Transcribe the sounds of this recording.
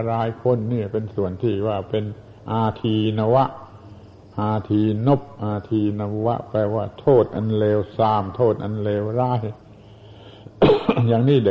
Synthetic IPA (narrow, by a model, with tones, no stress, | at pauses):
ɾaː˧˥jkʰo˧˥˨nːiː˧˩pe˧nsu˨˩ənt̪ʰiː˥˩waː˧˥˩pe˧n | ʔaː˧t̪ʰiː˧na˧wa˦˥ʔ | ʔaː˧t̪ʰiː˧no˦˥˩p̚ʔaː˧t̪ʰiː˧na˧wa̰˦˥ʔpɛː˧˩waː˧˥˩t̪ʰoː˥˩t̪̚ʔa̰˧nleː˧wsaː˧˩mt̪ʰoː˥˩t̪̚ʔa˧nleː˧wɾaː˦˧˥j | jaː˨˩ŋniː˥˩d